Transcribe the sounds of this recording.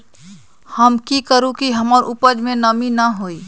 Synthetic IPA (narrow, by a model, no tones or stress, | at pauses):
həmkikəɾũkiɦəməɾʔupəd͡ʒmẽnəminəɦoi